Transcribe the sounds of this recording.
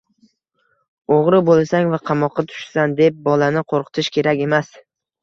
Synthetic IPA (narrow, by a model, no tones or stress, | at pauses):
oʁɾɪbolˠsaŋvaqʰɑmɒqʰːɑt̪ʰʊ̥ʃsand̪e̞p̚bɒlanɪqʰoɾqʰɨ̥t̪ʰɪʃkʲʰe̞ɾakʲe̞mas